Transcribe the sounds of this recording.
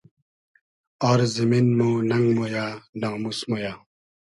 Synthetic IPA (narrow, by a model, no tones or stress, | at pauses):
ɔɾziminmonɐŋɡmojaːnaŋmusmojaː